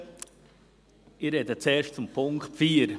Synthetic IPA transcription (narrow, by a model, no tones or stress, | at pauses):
ɪrɾɛdət͡sɛːɾʃtt͡sʊmpʰʊŋkχtfiːəɾ